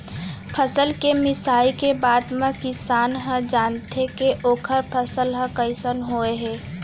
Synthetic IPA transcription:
pʰəsəlkemɪsaːikebaːd̪mẽkɪsaːnɦə̃d͡ʒaːnt̪ʰekeʔoːkʰəɾpʰəsəlɦə̃kəɪsənɦoeɦɛː

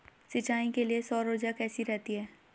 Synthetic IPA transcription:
sɪt͡ʃaːĩkeliesɔːɾoːd͡ʒakɛːsiɾɛɦt̪iɦɛː

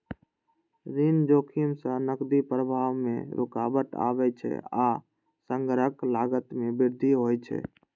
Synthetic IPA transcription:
ɾind͡ʒoːkʰimsə̃nəkd̪ipɾəbʱaːʋmḛ̃ɾʔoka̰bəʈ̪a̰bɛt͡ʃʰɛ̰aː | səŋɡɾəklaɡət̪mebɪɾd̪ʱiɦojt͡ʃʰɛ̰

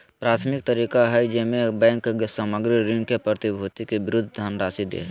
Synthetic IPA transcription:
pɾaːt̪ʰmɪk̚t̪əɾiːkaɦɛd͡ʒemẽbɛ̃ːŋkːsaməɡɾiɾɪ̃ŋkepɾət̪ibʱoːt̪ikebɪɾʊd̪ʱd̪ʱanɾaːsid̪ḛː

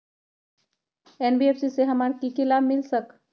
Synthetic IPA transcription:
enbiefsiseɦəmaɾkikilabmilsək

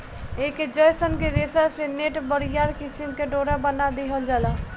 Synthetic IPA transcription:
eːkd͡ʒɔjsənked̪eːsaseneːʈbəɾijaːɾkɪsimkeɖoːɾabənad̪iɦəld͡ʒaːla

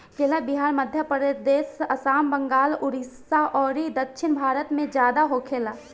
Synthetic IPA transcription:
keːlabɪɦaːɾməd̪ʱjəpɾd̪eːsɐsaːmbəŋɡaːlʊɾisaʔɔːɾid̪əkʃʰɪnbʱaːɾət̪mẽd͡ʒjaːd̪aɦokʰeːlaː

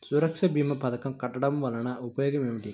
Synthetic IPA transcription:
sʊɾɐkʂɐbiːmɐpɐðɐkːɐmkɐʈːɐɽɐmʋɐlɐnɐʊpɐjoːɣɐmemɐʈːɪ

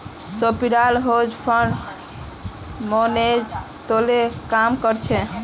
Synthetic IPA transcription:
sopiɾalɦod͡ʒpʰəɳɖ | moned͡ʒ | t̪olekamkəɾt͡ʃʰɛ

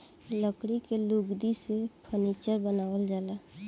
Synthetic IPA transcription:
ləkɽikeluɡd̪isepʰənit͡ʃəɾbənaːʋəld͡ʒaːla

